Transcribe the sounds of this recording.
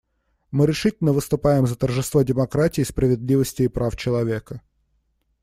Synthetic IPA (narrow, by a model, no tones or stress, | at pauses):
mɨɾʲɪʂɨtʲɪlʲnəvɨst̪ʊpajɪmzət̪ərʐɨst̪vodʲɪmɐkɾatʲɪːspɾəvʲɪd̪ʲlʲivəsʲtʲɪːpɾʔaft͡ɕɪlˠɐvʲe̞kə